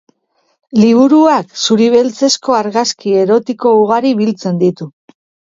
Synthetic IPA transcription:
liβ̞uɾuaksuɾiβ̞elt͡se̞sko̞aɾɣaskie̞ɾo̞t̪iko̞uɣaɾiβilt͡se̞nd̪it̪u

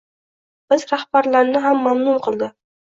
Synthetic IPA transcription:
b̥ɪzɾahbaɾlaɾnɪɦamːamnʊmqʰɨlˠd̪ɪ

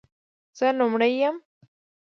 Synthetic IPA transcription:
z̥əlʊmɽajːəm

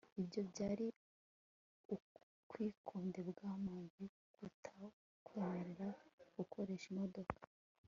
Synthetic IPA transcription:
ibjo̞bɟaːɾi | u | kwiːkʰoːnde̞bɡaːmaːnzi | ɡ̥utʰa | kwehaɾeɾaɡ̥ukʰo̞ɾe̞ʃimodo̞kḁ

